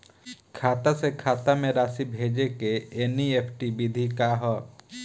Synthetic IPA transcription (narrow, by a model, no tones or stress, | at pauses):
kʰaːt̪asekʰaːt̪amẽɾaːsibʱeːd͡ʒekeeːnieːpʰʈibid̪ʱikaɦɔː